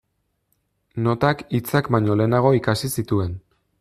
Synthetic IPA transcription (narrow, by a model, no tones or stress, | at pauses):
no̞t̪akit͡sakbaɲo̞le̞ːnaɣ̞o̞ikasisit̪ue̞n